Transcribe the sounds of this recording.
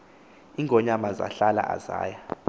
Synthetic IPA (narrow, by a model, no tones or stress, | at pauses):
iŋʱɔɲamaza̰ɬala̰ʔaza̰ːja